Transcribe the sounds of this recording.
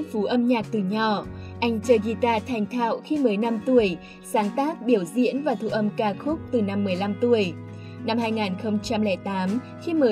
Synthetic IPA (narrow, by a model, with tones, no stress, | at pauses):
ŋfu˨˦ʔə˧mɲaː˨˩k̚t̪ɨ˨˩ɲɔ˨˩ʔa˧jŋ̟t͡ɕəː˧˩ɣi˧t̪aː˧t̪ʰa˨˩jŋ̟t̪ʰa̰ː˧˨wxi˧məː˨˦jna˧mt̪u˧˩əj | saː˨˦ŋt̪aː˦˥k̚ɓi˧˩əwzḭ˧˥ənvaː˨˩t̪ʰṵ˧˨ʔə˧mkaː˧xʊ˦˥k͡p̚t̪ɨ˨˩na˧mːɨ˨˩əjla˧mt̪u˧˩əj | na˧mhaː˧jŋaː˨˩nxə˧wŋ͡mt͡ɕa˧mlɛ˧˩t̪aː˨˦m | xi˧məː˨˦